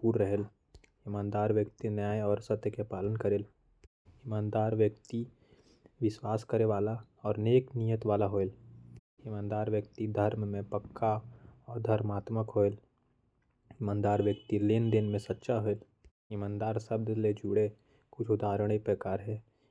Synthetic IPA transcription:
puːɾːəɦel | ɪmãːnd̪aːɾʋjəkt̪injaːeɔːɾsət̪jəkepaːlənkəɾeːl | ɪmãːnd̪aːɾʋjəkt̪i | ʋɪswaːskəɾeʋaːla | ɔːɾneːknijət̪ʋaːlaɦoːel | ɪmãːnd̪aːɾʋjək̚t̪id̪ʱəɾmmẽpəkːaɔːɾd̪ʱɐɾmaːt̪məkɦoːel | ɪmãːnd̪aːɾʋjəkt̪ileːnd̪enmẽsətːʃaɦoel | ɪmãːnd̪aːɾsəbd̪led͡ʒuɽe | kʊt͡ʃʰʊd̪aːɾəɽ̃epɾəkaːɾɦɛː

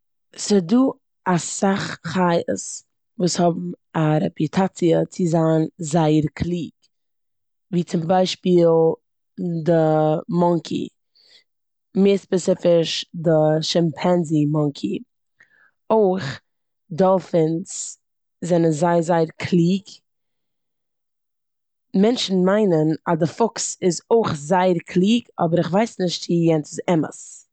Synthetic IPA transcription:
sɪduː | asaχχaɪə̰s | vuːshɔbm̩ | aɾɛpitʰat͡siət͡sɪzaːnzaɪəɾkʰlˠiːk | viːt͡sɪmbaɪʃpiːlˠ | dəmɔŋkʰḭ | meːspɛsɪfɪʃdɪʃɪmpʰɛnzimɔŋkʰi | oɪχ | dɔlˠfɪns | zɛnənzaɪəzaɪəɾkʰlˠiːɡ | mɛnʃn̩maɪnənadɪfʊksɪzoɪχzaɪəɾkʰlˠiːɡɔ̰bəɾɪχvaɪsnɪʃtsiːjɛntɪzɛmə̰s

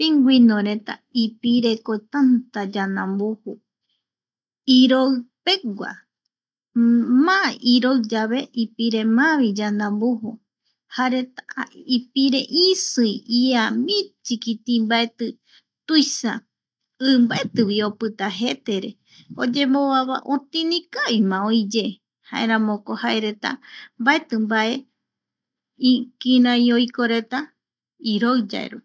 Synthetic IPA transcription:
piŋɡʷinõɾe̞t̪a̰ipiɾe̞kot̪ant̪ad͡ʒanãmbohu | iɾopeɡʷa̰ | maiɾoɨd͡ʒaβeʔipiɾe̞mãβid͡ʒanãmboɦu | haɾet̪aipiɾeʔisɨjiamĩt͡ʃikit̪ĩmbaet̪ɨ | t̪ujsa̰ | ɨmbaet̪ɨwio̞pɨt̪aɦe̞t̪eɾe̞̰ | o̰d͡ʒe̞moβaβa̰ʔot̪ĩnĩkajmãojd͡ʒe | ha̰ḛɾãmõko̞haeɾe̞t̪a̰mbae̞t̪ɨmbaʔe̞ | ikĩɾãjojkoɾe̞t̪a | iɾoɨd͡ʒa̰ḛɾu

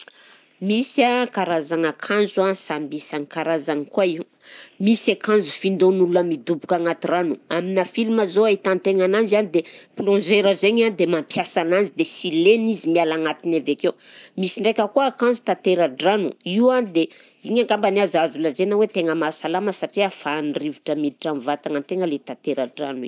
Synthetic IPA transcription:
misakaɾazaŋakʰanzuasambisaŋikaɾazankuaiw | misakanzu̥find̪onulunəmid̪ubukaŋat̪iranuaminafilumazoait̪ant̪eŋanand͡ʒanid̪eplɔ̃ʒeɾəzeɲand̪emampjasanand͡ʒid̪esilenizimialaŋat̪inavekemisiɳɖ͡ʐekʲəkuaakãnzut̪at̪eɾaɖ͡ʐanṵiuwanid̪e | iɲaŋɡambaniazazulazenawet̪eŋəmasalaməsaʈ͡ʂiafanrivuʈ͡ʂəmid̪iʈ͡ʂamvat̪aŋant̪eŋəlet̪at̪eɾaɖ͡ʐa̰nḭ

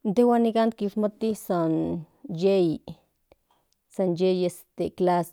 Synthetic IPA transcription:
nt̪ewanikant̪̚kismat̪isan | jej | sanjejest̪eklas

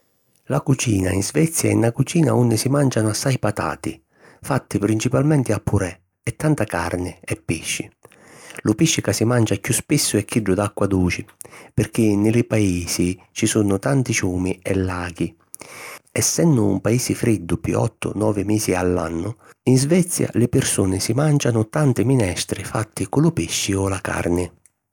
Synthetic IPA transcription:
lakut͡ʃiːnainzvɛt̪sːjaɛ̰nakut͡ʃiːna̰unːɪsimand͡ʒanʊasːajpat̪a̰ːt̪i | fat̪ːɪpɾint͡ʃipalmɛnt̪ɪapʰːuɾɛ | ɛt̪ːant̪aka̰ɾnɪɛpːiʃːɪ | lʊpiʃːɪkasːimand͡ʒakjuspisːʊɛkːiɖːʊd̪akːwad̪uːt͡ʃɪpɪɾk̟inːɪlɪpaiːsi | t͡ʃisunʊt̪ant̪it͡ʃuːmiɛlːaːɡi | ɛsːɛnd̪ʊ̰ːmpaiːsɪfɾid̪ːʊpjṵɔ̰t̪ːʊ̰nɔːvɪmiːsialːa̰nːʊ | inzvɛt̪sːja̰lɪpɪrsuːnɪsimant͡ʃanʊt̪ant̪ɪminɛst̪ɾɪfat̪ːɪkʊlʊpiʃːiɔlaka̰rnɪ

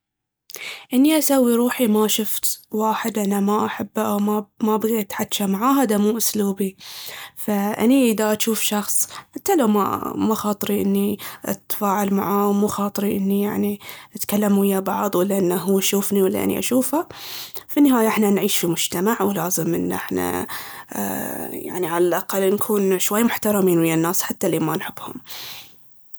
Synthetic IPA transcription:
ʔɪnːiʔasawːiɾˤuːħimaʃʊft̪waːħɪd̪ʔanamaʔaħabːaʔawmamabaɣeːt̪ħat̪ːʃamaʕaːɦaːd̪amuːʔʊsluːbifaʔa̰niʔɪðaʔaʃuːfʃɑxsˤħat̪ːalama̰maxɑːt̪ˤɾiʔɪnːiʔa̰t̪ːfaːʕalma̰ʕaːwmuxɑːt̪ˤɨɾiʔɪnːijaʕniʔat̪kalːamuʔɪjːabɑʕðˤwalːaʔɪnːaɦuːʃuːfniwalːa̰ʔa̰nḭʔa̰ʃuːfafinːɪɦaːjaʔɪħnanʕiːʃfimʊd͡ʒt̪amaʕwlaːzɪmʔɪ̰nːʔɪ̰ħna̰ | ja̰ʕniʕalalʔaqalːnkʰuːnʃwajːmʊħt̪ɑɾˤɑmiːnwɪjːanːaːsħat̪ːaliːmanħɪbːhʊ̰m

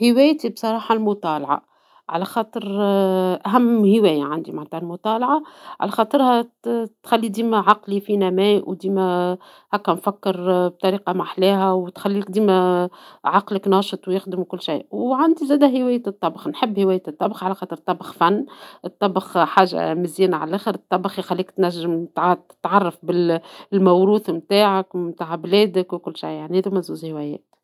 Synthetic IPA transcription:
hɪwæːjt̪ibsˤɑɾˤɑːħɑlmʊt̪ˤɑːlɑʕɑ̰ | ʕa̰læxɑːt̪ˤəɾ | ʔæɦæmːhɪwæːjaʕand̪imaʕt̪ɑːlmʊt̪ˤɑːlʕɑʕa̰læxɑːt̪ˤəɾhæt̪xælːid̪iːmæʕɑqlifinæmæːʔwd̪iːmæ | hækːænfækːəɾb̚t̪ˤɑɾiːqɑmaħlæːɦæwt̪xælːik̚d̪iːmæ | ʕɑqləknɑːʃt̪ˤwjɪxd̪əmukʊlːʃajwʕand̪zæːd̪æɦɪwæːjːæt̪ˤːɑbxnħəbːhɪwæːjːæt̪ˤːɑbxʕalæxɑːt̪ˤəɾt̪ˤːɑbxfænːʔɨt̪ˤːɑbəxħaːʒːa̰mɪzjæːnaʕa̰lʔæːxəɾɨt̪ˤːɑbxixælːiːkt̪næʒːɪmt̪t̪ɪ̥t̪ʕɑrˤːɑfbɪllmæwɾuːθmt̪aːʕakmt̪aːʕblɛːd̪əkwkʊlːʃa̰jːaʕnihæðumæzuːzhɪwæjɛ̰ːt̪

